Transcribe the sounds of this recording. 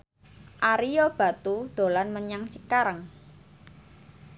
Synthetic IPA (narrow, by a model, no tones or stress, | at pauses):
ʔaɾijob̥a̤t̪ud̪̥o̤lanməɲaŋt͡ʃikaɾəŋ